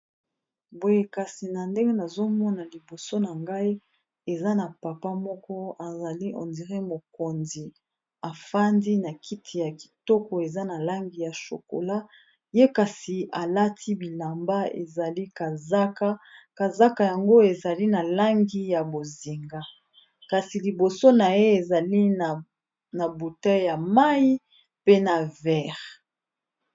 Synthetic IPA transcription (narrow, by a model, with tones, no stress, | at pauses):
bo˨je˦ka˨si˨na˨nde˦ŋɡe˦na˨zo˦mɔ˦na˨li˨bo˨so˦na˨ŋɡa˦i˦ | e˨za˦na˨pa˨pa˦mɔ˦kɔ˦a˨za˨li˦ʔɔ̰˨ndi˨ʁe˦mo˨ko˨nzi˨ | a˨fa˦ndi˦na˨kʰi˦tʰi˨ja˨ki̥˨tɔ˦kɔ˨e˨za˦na˨la˦ŋɡi˨ja˨ʃo̰˨ko̰˨la˦ | je˦ka˨si˨a˨la˦tʰi˦bi˨la˨mba˦ḛ˨za˨li˦ka˨za˦ka˦ka˨za˦ka˨ja˨ŋɡo˦e˨za˨li˦na˨la˦ŋɡi˦ja˨bo˨zi˨ŋɡa˦ | ka˨si˨li˨bo˨so˦na˨je˦e˨za˨li˦˨ | na˨bu˨tɛ˦ja˨ma˦ji˦ | pe˦na˨vɛ˦˨ʁ